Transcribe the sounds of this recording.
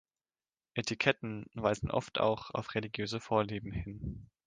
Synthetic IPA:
ʔetʰikʰɛtn̩vaɪzn̩ʔɔ̰ftʰa̰ʊxa̰ʊfʁeliɡjøːzəfoːɐliːbm̩hɪn

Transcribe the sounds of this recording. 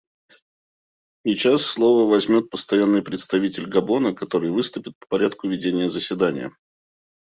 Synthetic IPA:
sʲɪt͡ɕasːlˠo̞vəvɐzʲmʲo̞t̪̚pəst̪ɐjanːɨjpɾʲɪt̪st̪ɐvʲitʲɪlʲɡɐbo̞nəkɐt̪o̞ɾɨjvɨst̪ʊpʲɪt̪̚pə̥pɐɾʲat̪kʊvʲɪdʲenʲɪjəzəsʲvʲɪd̪anʲɪ̰jə̰

